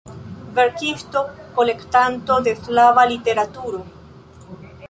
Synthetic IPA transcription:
veɾkist̪o̞kole̞kt̪ant̪o̞d̪eflavalit̪e̞ɾat̪uɾo

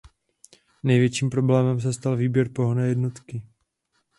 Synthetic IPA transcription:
nɛjvjɛt͡ʃiːmpɾo̞blɛːmɛms̬ɛst̪alviːbjɛɾpo̞ɦonɛːjɛdno̞t̪kɪ

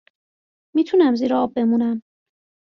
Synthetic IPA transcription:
miːt̪ʰunæmziːɾeɒːb̚ːe̞munæm

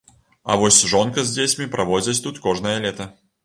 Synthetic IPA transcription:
ɐ̰vɔsʲʐɔnkɐzʲd͡zʲet͡sʲmʲipɾʔɐvɔd͡zʲɐt͡sʲt̪ut̪kɔʐnɐjɐlʲɛt̪ɐ

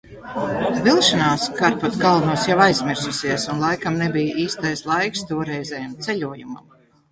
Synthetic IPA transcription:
vilˠʃanaːskaɾpat̪ɡalˠnuɔsjawajzmʲiɾsusʲiɛsunlˠajkamnebijʔiːst̪ajslˠajkst̪uɔɾɛjzɛjamt̪sɛʎʲuɔjuma̰m

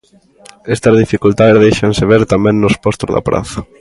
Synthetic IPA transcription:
ɛst̪ɐzðifikult̪aðezðejʃanseβ̞eɾt̪amɛ̃ŋnʊspɔst̪ozða̰pɾʔa̰θɐ

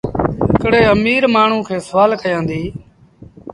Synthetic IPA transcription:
ɦɪkɽeːəmiːɾmaːɳ̤ũːkʰeːsəʋaːlkəjãːnd̪iː

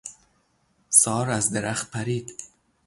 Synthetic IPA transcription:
sɒːɾazd̪eɾaχt̪̚pʰaɾiːd̪

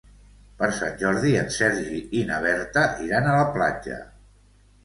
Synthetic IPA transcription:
pəɾsa̰nʲʒɔɾðiənsɛɾʒiʔinəβ̞ɛɾt̪əʔiɾanələplad͡ʒə̰

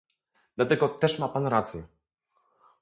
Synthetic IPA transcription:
d̪lat̪ɛɡɔt̪ɛʂmapanɾat̪sjɛ

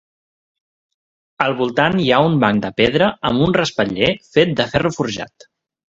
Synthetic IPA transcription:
əlˠβulˠt̪aniaumbaŋd̪əpeðɾəəmunrəspəʎefet̪̚d̪əfɛrəfuɾʒa̰t̪

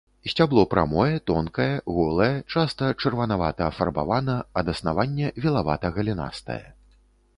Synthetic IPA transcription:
sʲt͡sʲablˠɔpɾʔa̰mɔjɛt̪ɔnkɐjɛɣɔlˠɐjɛt͡ʂast̪ɐt͡ʂɐrvɐnavat̪ɐːfarba̰vanɐɐd̪ɐsnavanʲːɛvʲilˠava̰t̪ɐɣɐlʲina̰st̪ɐ̰jɛ̰

